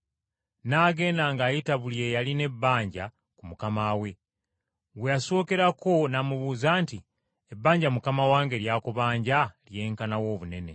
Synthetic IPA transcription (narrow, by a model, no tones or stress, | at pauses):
naːɡe̞ːnaŋɡaːjitaβulje̞jaline̞bːaːɲɟa | kumukamaːwe̞ | wejaso̞ːke̞ɾako̞namuβuːzaːnti | e̞bːaːɲɟamukamawaːŋɡe̞ɾjaːkuβaːɲɟalje̞ːŋkanawo̞ːβune̞ne̞